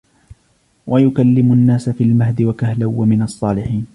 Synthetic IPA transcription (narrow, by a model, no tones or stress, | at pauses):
wʔajʊkalːɪmʊnːaːsafiːlmahd̪ɪwakahlawːamɪnɑsˤːɑːlɪħiːn